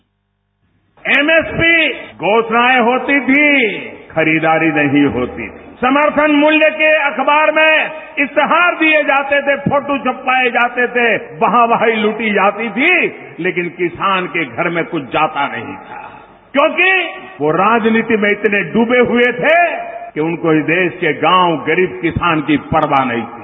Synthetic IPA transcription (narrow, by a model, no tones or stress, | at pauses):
emeːspiɡʱoːʃnaːeɦoːt̪it̪ʰikʰɐɾiːd̪aːɾinɐɦĩɦoːt̪ḭt̪ʰii̥sɐməɾt̪ʰənmʊljəkeɐkʰbaːɾmẽɪst̪əɦaːɾd̪ied͡ʒaːt̪et̪ʰepʰoːʈũt͡ʃɐpːaːed͡ʒaːt̪et̪ʰe | bɐɦãbaːiluʈid͡ʒaːt̪it̪ʰi | leːk̬ɪnkɪsaːnkeɡʱɐɾmẽkʊt͡ʃʰd͡ʒaːt̪anɐ̰ɦḭ̃t̪ʰa̰ | kjõːki | ʋoɾaːd͡ʒniːt̪imẽɪt̪neɖuːbeɦʊet̪ʰekeʊnkoid̪eːskeɡãːwɡəɾiːb̚kɪsaːnkipɐɾbanɐ̰ɦĩt̪ʰi